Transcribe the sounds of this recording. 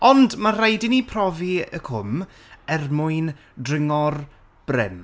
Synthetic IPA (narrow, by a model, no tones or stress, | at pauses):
ɔndmarajdɪnipʰrɔviə̰kʰʊm | ɛrmʊɨn | drɪŋɔr | b̥rɪm